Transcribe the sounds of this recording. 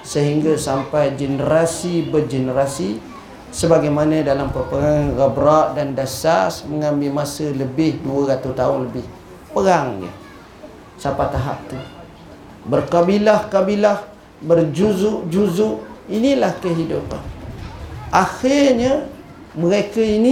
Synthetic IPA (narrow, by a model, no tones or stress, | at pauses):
səɦiŋɡasampajd͡ʒənəɾasibərd͡ʒənəɾasi | səbaɡajmanədalampəpəɾaŋɣəbɾaʔdandasasməŋambɪlmasələbɪhduəɾat̪ust̪aʊnləbɪh | pəɾaŋjə̰ | sapat̪aɦa̰p̚t̪u | bərkabilahkabilah | bərd͡ʒuzʊʔd͡ʒuzʊʔinilahkəɦidupa̰n | axɪrɲa | məɾekəini